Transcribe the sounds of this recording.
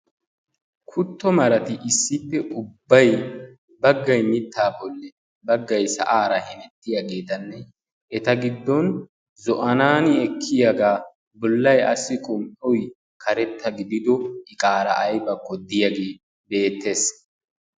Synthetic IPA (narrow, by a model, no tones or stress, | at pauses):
kʰʊt̪ːɔmɐɾɐt̪ɪʔɪsːɪpːɛʔʊbːɐj | bɐɡːɐjmɪt̪ːaːbɔlːɛ | bɐɡːɐjsɐ̰ʔaːɾɐhɛnɛt̪ːɪjaɡe̞ːt̪ɐnːɛ | ʔɛt̪ɐɡɪd̪ːɔn | zɔʔɐnaːnɪɛkʰːɪjaɡaː | bɔlːɐjɐsːɪkʼʊmʔʼɛwj | kʰɐɾɛt̪ːɐɡɪd̪ɪd̪ɔɪkʼaːɾɐʔːjbɐkːɔd̪ɪjɐɡeː | be̞ːt̪ːe̞ːs